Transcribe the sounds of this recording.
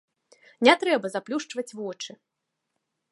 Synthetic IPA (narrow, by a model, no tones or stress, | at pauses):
nʲɛt̪ɾɛbɐzaplʲuʂt͡ʂvɐt͡sʲvɔt͡ʂɨ